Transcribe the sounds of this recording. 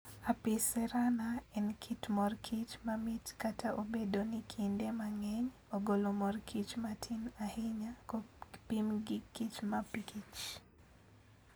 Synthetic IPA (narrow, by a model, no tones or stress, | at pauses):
apisɛɾanaɛnkʰitmɔrkʰit͡ʃmamitkatʰaʔobedonikʰindemaŋɛɲ | oɡolomɔrkʰit͡ʃmatʰinahɪɲakɔpimɡikːit͡ʃmapikit͡ʃ